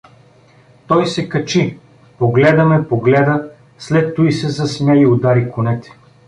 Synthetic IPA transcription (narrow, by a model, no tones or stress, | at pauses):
t̪ɔjsɛkɐt͡ʃi | poɡlɛd̪ɐmɛpoɡlɛd̪ə | slɛt̪ːuisɛzɐsmʲɛiod̪aɾikʊnɛt̪ɛ̥